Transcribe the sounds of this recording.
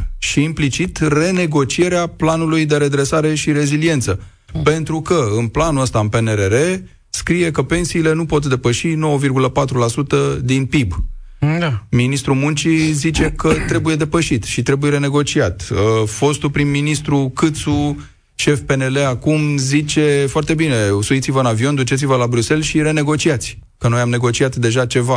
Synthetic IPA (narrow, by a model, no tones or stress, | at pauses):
ʃiːmplit͡ʃit̪re̞ne̞ɡo̞t͡ʃie̞ɾeaplanulujd̪e̞ɾe̞d̪ɾe̞saɾe̞ʃiɾe̞zilije̞nt̪sə | pe̞nt̪ɾukəɨnplanuəst̪aɨnpeneɾeɾe̞ | skɾije̞kəpe̞nsiːle̞nupo̞t̪d̪e̞pəʃino̞wəvirɡuləpat̪ɾulasut̪əd̪inpib | minist̪ɾumunt͡ʃizit͡ʃe̞kət̪ɾe̞buje̞d̪e̞pəʃit̪ʃit̪ɾe̞bujeɾe̞ne̞ɡo̞t͡ʃiat̪əfo̞st̪upɾinminist̪ɾukɨt̪su | ʃe̞fpe̞nele̞akumzit͡ʃe̞foart̪e̞bine̞suit̪sivəɨnavio̞nd̪ut͡ʃet̪sivəlabɾuse̞lʃiɾe̞ne̞ɡo̞t͡ʃiat̪sʲ | kənojamne̞ɡo̞t͡ʃiat̪d̪e̞ʒat͡ʃe̞va